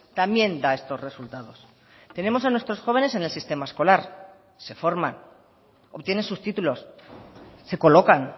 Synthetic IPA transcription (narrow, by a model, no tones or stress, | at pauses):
t̪ambje̞nd̪ae̞st̪o̞zre̞sult̪aðo̞s | t̪e̞ne̞mo̞sanwest̪ɾosxo̞β̞e̞ne̞sene̞lsist̪e̞maesko̞laɾ | se̞fo̞ɾma̰n | o̞βt̪je̞nensust̪it̪ulo̞sː | e̞ko̞lo̞kan